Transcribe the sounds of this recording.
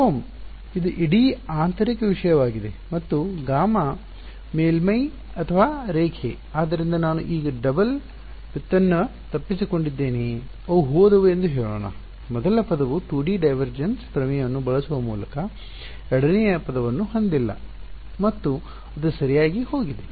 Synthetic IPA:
oːm | id̪uʔiɽiaːnt̪ɐɾikːeʋiʂɐjɐʋaːɡid̪emɐt̪ːuɡaːmɐ | meːlmɐj | ɐt̪ʰɐʋaːɾeːkʰḛ | aːd̪ːɐɾind̪ɐnaːnṵʔiːɡɐɖɐbɐl | pit̪ːɐnːɐt̪ɐpːisiko̞ɳɖid̪ːeːni | ɐʋuɦoːd̪ɐʋuend̪uɦeːɭoːɳɐ̰ | mɔd̪ɐlɐpɐd̪ɐʋuʈuːɖiːɖɐjʋɐɾd͡ʒɐnspɾɐmijɐnːubɐɭɐsuʋɐmṵːlɐkɐ | ɛɽɐnɛjɐpɐd̪ɐʋɐnːuɦond̪ilːɐ̰ | mɐt̪ːu | ɐd̪usɐɾijaːɡiho̞ːɡid̪e

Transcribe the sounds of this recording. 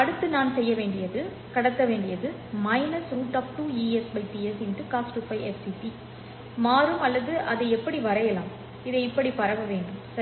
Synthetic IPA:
ɐɽɯt̪ːɯnaːnsɛjːɐʋeːɳɖɪjɐðɯ | kɐɽɐt̪ːɐʋeːɳɖɪjɐðɯ | mɐɪnɐsɾuːʈaːp̚ʈuːiːɛsbɐɪʈiɛsɛnʈɯkaːsʈɯpːɐɪʔɛssiʈi | maːɾɯmɐlːɐðɯʔɐðɐɪɛpːɐɽiʋɐɾɐjɐla̰ːm | ɪðɐɪpːɐɽipɐɾɐʋɐʋeːɳɖɯmsɐ

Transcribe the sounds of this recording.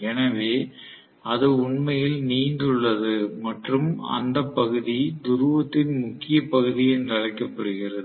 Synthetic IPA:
ɛnɐʋeː | ɐðɯʊɳmɐjɪlniːnd̪ɯɭːɐðɯmɐʈrɯmɐ̰nd̪ɐpːɐɣɯðid̪ʊɾɯʋɐt̪ːɪnmʊkːɪjɐpːɐɣɯðɪɛndrɐɻɐɪkːɐpːɐɽɯɣɪrɐðɯ

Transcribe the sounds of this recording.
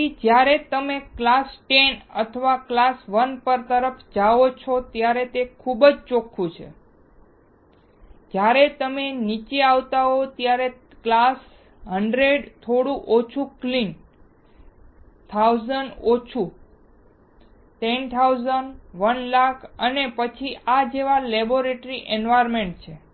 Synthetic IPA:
id͡ʒjaɾet̪əmeklasʈenət̪ʰəʋaklasʋənpəɾt̪əɾəfʰd͡ʒaot͡ʃʰot̪jaɾet̪ekʰubəd͡ʒt͡ʃokʰːũt͡ʃʰḛ | d͡ʒjaɾet̪əmenit͡ʃeaʋt̪aɦot̪jaɾe | klas | ɦəɳɖɾeɖt̪ʰoɽũʔot͡ʃʰuklin | t̪ʰawzəɳɖot͡ʃʰu | ʈɛnt̪ʰauzənɖʋənlakʰənepət͡ʃʰiʔad͡ʒeʋalɛboɾeʈɾiʔenʋajəɾmeɳʈ̚t͡ʃʰe

